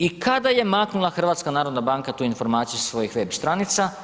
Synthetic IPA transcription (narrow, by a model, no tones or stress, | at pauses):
ikad̪aje̞maknulˠaxr̩ʋaːt̪skanaːɾo̞d̪nabaːŋkat̪uːinfo̞ɾmaːt̪sijusʋo̞jixʋe̞bst̪ɾanit̪sa